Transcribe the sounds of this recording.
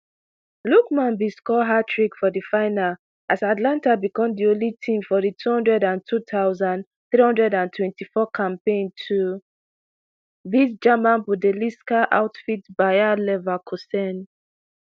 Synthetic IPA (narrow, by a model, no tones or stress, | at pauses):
lukmãnbiskɔɦatɹikfɔdifaɪnal | asatlãntabikɔ̃mdiõnlitʰĩmfɔðitʰuhɔ̃ndɹɛdãntʰutaʊzãnd | θɹihɔ̃ndɹɛdãntʰwɛ̃ntifɔkʰãmpẽntʰu | bisd͡ʒamãnbudɛliskaʔa̰ʊtfitbajalɛvakʰɔsɛn